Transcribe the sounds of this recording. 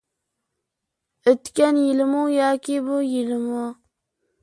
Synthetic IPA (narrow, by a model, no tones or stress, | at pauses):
ɪt̪kʲanjɪlmujɑːkʲɪbʊjɪlɪmʊ